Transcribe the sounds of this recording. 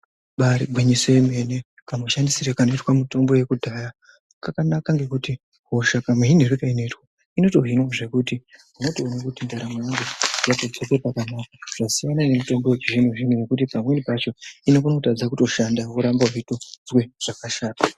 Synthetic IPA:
ɓaɾiɡʱwiɲisoeme̞ne̞ | kamoʃandisiɾekano̞itwamuto̞mbo̞je̞kudʱaːja | kakanakaŋɡe̞kuti | ɦo̞ʃakamweɦin̤eɾukaino̞itwa | ino̞to̞ɦinwoʐe̞kutimuno̞toːnekutindaɾamwanɡojatod͡zokepakanakḁʐ̥asijanane̞muto̞mbo̞wet͡ʃiʐinoʐinuwekut̬ipamwe̞nipat͡ʃo̞inokunotad͡zakuto̞ʃandauɾambaʐito̞d͡zwe̞ʐ̥akaʃaːta

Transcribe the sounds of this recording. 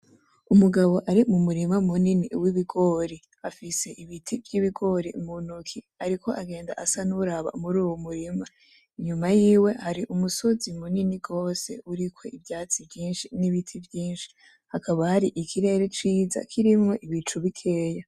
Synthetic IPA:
umuɡaβo̞ʔaɾimumuɾimamuniniwiβiɡo̞ɾi | afise̞ʔiβitʰivjiβiɡo̞ɾimunukʰi | aɾiko̞ʔaɡe̞ːnda̰ʔasanuɾaβa̰muɾuːwomuɾima | iɲumajiːwe̞haɾiʔumuso̞zimuniniɡo̞ːse̞̰uɾikʰwo̞ivjaːt͡sivjiːnʃiniβitʰivjiːnʃi̥ | hakʰaβahaɾiʔikʰiɾe̞ːɾet͡ʃiːza̰kʰiɾimŋo̞ʔiβit͡ʃuβikʰe̞ːja

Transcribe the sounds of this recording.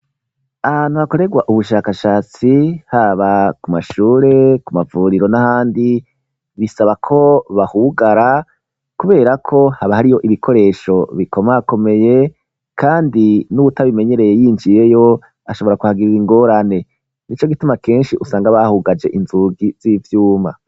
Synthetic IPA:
anuako̞ɾe̞ɡwaʔuβuʃaːkaʃaːt͡sihaβakumaʃuːɾe̞kumavuɾiɾo̞nahaːndi | βisaβakʰo̞βahuɡaɾa | kuβe̞ːɾakʰo̞haβahaɾijo̞ʔiβikʰo̞ɾe̞ːʃo̞βiko̞mako̞me̞je̞ | kaːndinuβutaβime̞ɲe̞ɾe̞je̞jiːnd͡ʒije̞jo̞ | aʃo̞βo̞ɾakuhaɡiɾiiŋɡo̞ːɾane̞ | nit͡ʃo̞ɡitumake̞ːnʃiʔusaːŋɡaβahuːɡad͡ʒe̞ʔinzuɡiz̥ivjuːma̰

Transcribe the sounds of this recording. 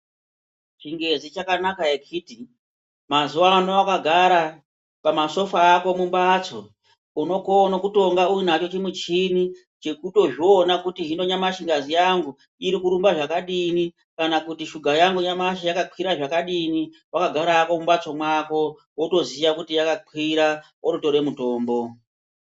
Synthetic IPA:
t͡ʃiŋɡe̞zit͡ʃakanakaekʰiti | mazuwanoakaɡʱaɾa | pamaso̞faːko̞mumbat͡so̞ | uno̞konokuto̞ŋɡauinat͡ʃo̞t͡ʃemut͡ʃini | t͡ʃe̞kuto̞ʐionakutiɦino̞ɲamaʃiŋɡazijaŋɡu | iɾikuɾumbaʐakaɗini | kanakutiʃuɡʱajaŋɡuɲamaʃ̬ajakaǃwiɾaʐakaɗini | wakaɡʱaɾaːko̞mumbat͡so̞mwako̞ | woto̞zijakutijakaǃʰwiɾa | ototo̞ɾe̞muto̞ːmbo̞

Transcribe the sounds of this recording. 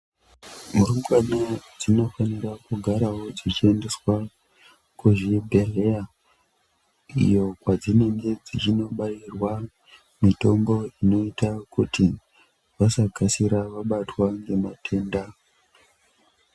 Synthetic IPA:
muɾumɡanad͡zino̞fanirakuɡʱaɾawo̞d͡zit͡ʃiende̞swa | kuʐibʱerea | ḭjo̞kwad͡zine̞ŋɡe̞d͡zit͡ʃino̞ɓairwa | mito̞mbo̞ino̞itakutʰi | ʋasaɡʱasiɾaʋaɓatwaŋɡe̞matʰe̞ːnda

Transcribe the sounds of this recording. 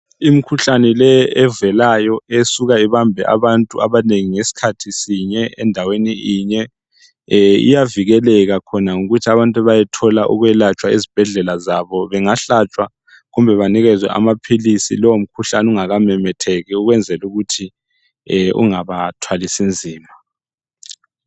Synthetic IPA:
imikʰuɬanɛlɛɛvɛlajɔesuɣaiβambʱɛ̰ʔa̰βantʼuʔa̰βaneŋiŋesi̥kʰatʰisiɲɛɛ̰ndʱaweniiɲɛ | ḭjaviɣɛlɛɣakʰɔnaŋuɣutʰiaβantʼaβajɛtʰɔlaʔṵɣwɛlat͡ʃʼwaizib̥ʱɛɮɛlazaβɔβɛŋaɬat͡ʃʼwa | ɣumbʱɛβaniɣɛzwɛ̰ʔa̰mapʰilisḭlɔwom̩kʰuɬanuŋaɣamɛmɛtʰɛɣɛuɣwɛnd͡zʱɛluɣutʰi | ṵŋaβatʰwalisind͡zʱiːma

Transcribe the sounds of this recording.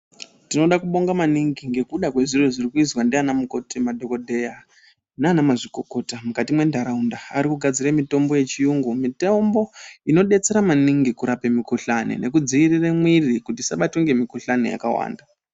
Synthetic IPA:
tino̞ɗakuɓo̞ŋɡamaniŋɡiŋɡe̞kuɗakwe̞ʐireʐirikuizwandeanamuko̞tʰemadʱo̞ko̞dʱe̞ja | naanamaʐiko̞ko̞tamukatimwe̞ndʱaɾaundaːɾikuɡʱad͡ziremito̞mbo̞je̞t͡ʃijuŋɡumite̞mbo̞ino̞ɗe̞t͡se̞ɾamaniŋɡikuɾape̞mikuɬanḛne̞kud͡ziiriremwirikutisaɓatoŋɡe̞mikuɬaneja̰ka̰wa̰ːnda

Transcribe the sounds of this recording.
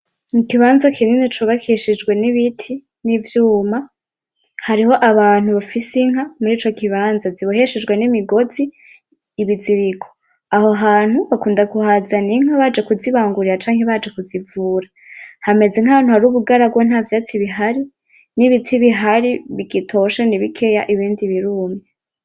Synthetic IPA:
mukiβaːnzakʰininit͡ʃuβakʰiʃid͡ʒɡwe̞niβitʰi | nivjuːma | haɾiho̞ʔaβaːn̥huβafisiŋ̥ɦamuɾiːt͡ʃo̞kiβaːnzaziβoɦe̞ʃed͡ʒɡwenimiɡo̞ziː | βiziɾikʰo̥ | aho̞ɦaːn̥huβakuːndakuhazaniŋ̥haβad͡ʒe̞kuziβaːŋɡuɾiɾat͡ʃaːŋheβad͡ʒe̞kuzivuːɾa | hame̞zeŋaβanhuhaɾuːβuɡaɾabɡwon̥haːvjaːt͡siβiɦaɾi | niβitʰiβiɦaɾiβiɡitʰo̞ʃaniβikʰe̞jaʔiβiːndiβiɾuːmɲe

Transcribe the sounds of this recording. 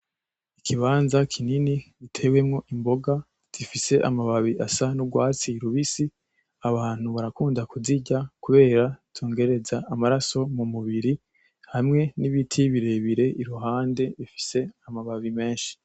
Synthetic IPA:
ikʰiβaːnzakʰininiɡitʰe̞we̞mŋo̞ʔimbo̞ɡa | z̥ifise̞ʔamaβaβiʔasanubɡwaːt͡siɾuβisi | aβaːn̥huβaɾakuːndakuziɟakuβe̞ːɾatʰuːŋɡe̞ɾe̞zaːmaɾaso̞mumuβiɾi | hamŋe̞niβitʰiβiɾe̞βiɾe̞ʔiɾuɦaːnde̞ifi̥se̞amaβaβime̞ːnʃi̥

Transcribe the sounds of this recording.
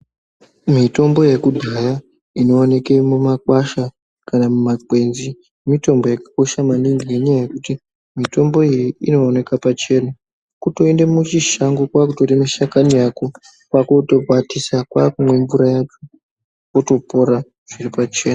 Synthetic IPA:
mito̞mbo̞jekudʱaja | ino̞ːne̞ke̞mumakwaʃa | kanamumakwe̞nzi | mito̞mbo̞jakḁko̞ʃamaniŋɡineɲajaje̞kuti | mito̞mbo̞ijiino̞ːne̞kapat͡ʃe̞na | kuto̞endemut͡ʃiʃaŋɡokwakuto̞remiʃakanijako̞ | kwako̞to̞katisakwakumwe̞ɱvuɾajat͡ʃo | koto̞po̞ɾa | ʐ̥iripat͡ʃe̞ːna

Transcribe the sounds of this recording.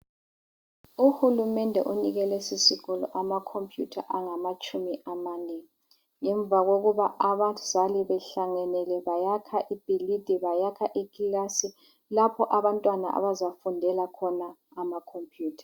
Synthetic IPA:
uhulumɛndʱɛʔuniɣɛlɛsisiɣɔlɔ̰ʔamakʰompʰʼjutʰaʔaŋamat͡ʃʼumiʔamanɛ | ŋɛɱb̪vʱaɣoɣuβaʔaβḁzaliβɛɬaŋɛnɛlɛβajakʰaʔib̥ʱilid̥ʱiβajakʰaʔikilasi | lapʰɔʔaβantʼwana̰ʔa̰βazafundʱɛlakʰɔnaː | makʰompʰʼjuːtʰḁ

